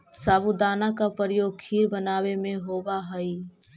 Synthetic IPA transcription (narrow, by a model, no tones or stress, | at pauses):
saːbud̪aːnakapəɾjoːɡ̚kʰiːɾbənaːwemẽɦobaɦəi